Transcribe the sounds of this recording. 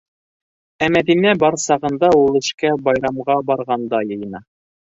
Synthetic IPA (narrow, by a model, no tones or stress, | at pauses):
æmæðinæbɑɾsɑʁɤ̆nd̪ɑulˠɘ̆ʃkæbɑjɾɑmʁɑbɑɾʁɑnd̪ɑjɤ̆jɤ̆nɑ